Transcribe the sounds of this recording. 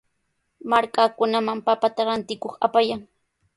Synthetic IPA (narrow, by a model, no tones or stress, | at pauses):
maɾkakʊnamampapat̪aɾant̪ɪkoχapajaŋ